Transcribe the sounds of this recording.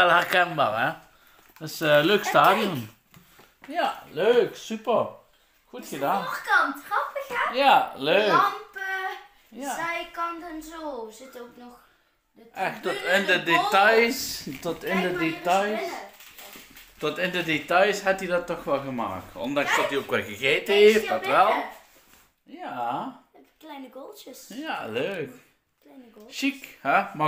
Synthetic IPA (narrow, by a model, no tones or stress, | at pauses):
ɛlˠhɛʁkɛnba̰ːrɛ | dɪsəløkstaːdjən | jaløːksypər | xutxədaːkɔntafɪjaløːkpə | jazɛjkɔndənzoːzɪtowknɔx | ʔɛxtɔtɪndədetajstɔtɪndədetjs | tɔtɪndədetajsɦatidɔtːɔxʋɛlˠɣəma̰ːk̚tɔ̰ndɑ̃ŋstɔtiokʋɛɣəɣeːtəefatʋɛlˠ | ja | klɛjnəɡolˠtjəsjaløːk | nʃikhɛma